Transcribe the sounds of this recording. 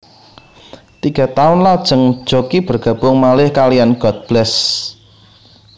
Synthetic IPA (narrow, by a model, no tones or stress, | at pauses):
t̪iɡ̥a̤t̪aʊnlad̥ʒ̥ə̤ŋd̥ʒ̥okib̥ərɡ̥ä̤b̥ʊŋmalɪhkalijanɡ̥ɔt̪̚b̥lɛs